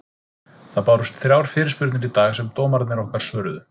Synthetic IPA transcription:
θaðpaːwɾʏst̪θɾjaːwɾ̥fɪːɾɪspʏɾt̪nɪɾit̪aːɣasɛmt̪oːmaɾt̪nɛɾɔhkaɾ̥sœːɾðʏ

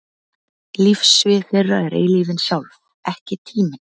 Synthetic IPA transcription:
lifsvɪθɪrːaɛɾḛjliːvɪnsjawlv | ɛhcɪt̪ʰiːmɪn

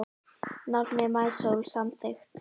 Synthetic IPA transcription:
nɔt̪mɛmajsowlsamθext̪

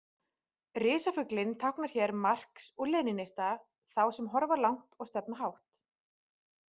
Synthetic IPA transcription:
rɪːsafʏklɪnt̪ʰawhknaɾ̥çɛɾmar̥ksɔɣlɛːnɪnejst̪a | θawsɛmɦɔɾvalawŋ̥t̪ɔɣst̪ɛp̚naɦawht̪

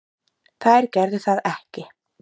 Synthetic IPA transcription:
θaðɛɾ̥cɛɾðʏθaðɛhcɪ

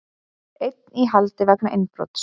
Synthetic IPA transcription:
ejt̪̚niɦalt̪ɪvaknaʔɪnːpɾɔ̰t̪s

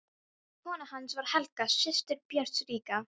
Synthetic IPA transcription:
kʰɔːnahansvaɾ̥hɛlkasɪst̪ɪɾpjɛɾ̥t̪sɾiːka

